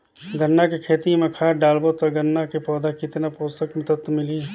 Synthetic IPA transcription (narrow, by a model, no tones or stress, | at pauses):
ɡənːakekʰeːt̪imẽkʰaːɖaːlbot̪ɐɡənːakepɔːd̪akɪt̪napoːst̪əkmɪt̪ət̪mɪli